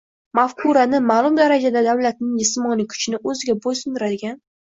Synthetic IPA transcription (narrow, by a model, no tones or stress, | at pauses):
mafkʰuɾanɪmaːlˠʊmd̪aɾad͡ʒad̪ad̪awlat̪nɪŋd͡ʒɪsmɒnɪkʰʊ̥t͡ʃʰɪnɪʔɵzɪɡʲabosɪnd̪ɪɾad̪ɪɡʲan